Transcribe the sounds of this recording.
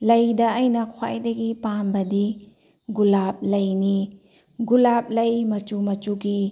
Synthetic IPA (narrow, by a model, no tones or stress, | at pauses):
lɐjdɐːjnɐkʰwa̰jdɐɡipambɐdi | ɡulap̚lɐjni | ɡulap̚lɐjmɐt͡ʃumɐt͡ʃuɡi